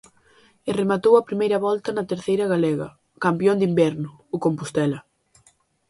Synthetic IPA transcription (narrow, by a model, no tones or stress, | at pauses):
eremat̪owɐpɾimejɾɐβɔlt̪ɐnɐt̪eɾθejɾɐɣalɛɣɐ | kampjond̪imbɛɾnʊːkompust̪ɛlɐ